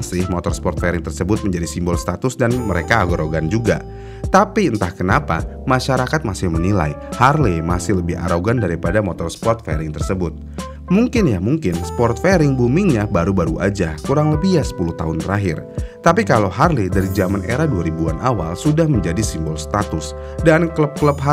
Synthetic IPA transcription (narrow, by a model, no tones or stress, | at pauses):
sɪhmot̪ɔrspɔrt̪feɾɪŋt̪ərsəbʊt̪̚məɲd͡ʒadisimbɔlst̪at̪ʊsdanməɾekaːɡoɾoɡand͡ʒuɡa̰ | t̪apiənt̪ahkənapa̰ | maʃaɾakat̪̚masɪhmənila̰jharlemasɪhləbɪɦa̰ɾoɡandaɾipadamot̪ɔrspɔrt̪̚fḛɾɪŋt̪ərsəbʊt̪̚ | muŋkɪnjamuŋkɪnsə̥pɔrt̪̚feɾɪŋbumɪŋɲabaɾubaɾuʔa̰d͡ʒakuɾaŋləbiɦjasə̥puluht̪a̰ʊnt̪əɾaɦɪrt̪apikaloɦarlidaɾid͡ʒamanʔḛɾaduaɾibuanʔawalsudahməɲd͡ʒadisimbɔlsə̥t̪at̪ʊs | dankləp̚kləp̚ɦa